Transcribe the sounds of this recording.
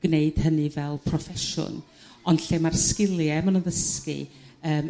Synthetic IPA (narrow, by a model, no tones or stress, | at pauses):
ɡ̥neɨd̥hənɨvɛlˠpʰrɔfɛʃʊ̰n | ɔndɬeːmarskɪlˠjɛmənənðəskɨ̰əːm